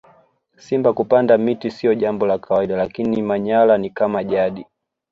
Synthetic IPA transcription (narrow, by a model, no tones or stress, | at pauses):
simbakupandamitisiɔʄambɔlakʰawaiɗalakinimaɲalanikamaʄaɗi